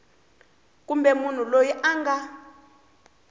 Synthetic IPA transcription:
k̬ʼumbɛmun̤ulojiʔaŋɡa

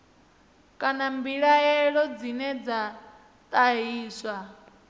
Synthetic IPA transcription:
kʼanambiɺaɛɺɔd͡zinɛd͡za | t̪ʼaɦiːswa

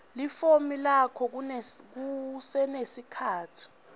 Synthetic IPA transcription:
lifomilakʰɔk̬uk̬usɛnesikʰaːtʰi̥

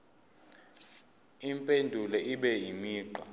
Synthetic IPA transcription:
impʼendʱulɛiɓɛjimiːǃa

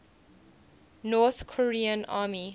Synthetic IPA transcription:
nɔːθkʰɔɹiːə̃nʔaːmi

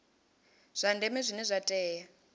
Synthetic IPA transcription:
z̥ʷandɛmɛzʷinɛzʷatʼɛːja

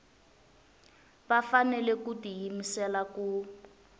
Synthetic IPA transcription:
βafanɛlɛkutijimisɛlaku

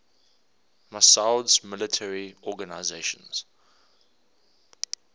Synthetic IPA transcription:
masaʊdzmɪlətʰɛɹiɔɡənaɪzeɪʃə̰̃nz̥

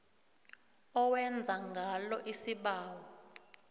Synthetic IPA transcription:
ɔwɛnd͡zʱaŋɡʱalɔʔisiɓaːwɔ

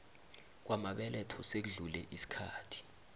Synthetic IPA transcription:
k̬wʔamaɓɛlɛtʰɔsek̬uɮulɛʔisi̥kʰa̰ːtʰi̥

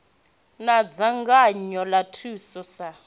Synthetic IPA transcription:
nad͡zaŋɡaɲɔlatʰusɔsa

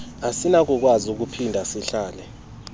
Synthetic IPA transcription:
asinak̬ʼuk̬ʼwazuk̬upʰindʱasiɬaːlɛ

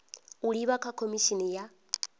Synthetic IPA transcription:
uɺiβakʰakʰomiʃinija

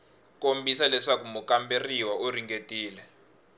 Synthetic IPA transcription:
kʼombʱisalɛʂak̬umukʼamberiwaoriŋɡetʼiːlɛ

